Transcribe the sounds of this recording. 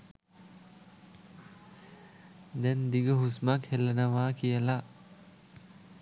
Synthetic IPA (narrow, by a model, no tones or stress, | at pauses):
d̪ɛnd̪iɡəɦusmakhelənəʋaːkijəla